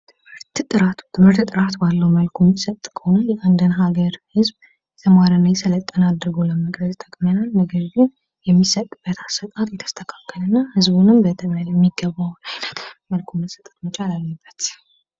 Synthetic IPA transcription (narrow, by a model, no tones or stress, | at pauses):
tt̪ʰɨɨɾt̪t̪ʼɨɾat̪t̪ʰɨmɨɾt̪t̪ʼɨɾat̪balːəwməlkʰomːisət̪ʼːkʰownjɛʔand̪ɨnɦaɡəɾhɨzb | t̪ʰəmaɾənajsɨlət̪ʼːənad̪ɾɨɡoləməkʼɾəzt̪ʼəkʼmənalnəɡəɾɡɨn | jɛmːisət̪ʼːɨb̥ːət̪ʰasːət̪ʼat̪jɛt̪ʰə̥st̪ʰəkʰḁkːəlɨnːahɨzbunɨmbət̪ʰməjɛmːiɡəβːawnajlət̪məlkʰoməsət̪ʼːət̪mət͡ʃʼalalːəbːət̪